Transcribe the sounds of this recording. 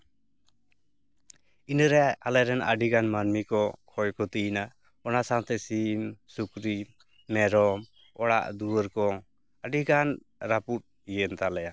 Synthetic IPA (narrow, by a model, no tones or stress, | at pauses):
inəɾɛalɛɾɛnə̰ɖiɡanmanmikɔkʰɔjkɔt̪ina | ɔnasaŋt̪ɛsimsukɾi | mɛɾɔm | ɔɽa̰ʔd̪uwəɾkɔ | aɖiɡan | ɾaput̪̚ | ijent̪alɛja